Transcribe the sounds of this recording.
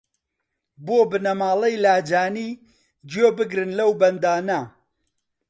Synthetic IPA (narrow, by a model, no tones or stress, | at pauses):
boːbɨnɐmaːlˠejlaːd͡ʒaːniː | d͡ʒjoːbɨɡɾɨnlɐwbɐnd̪aːnɐ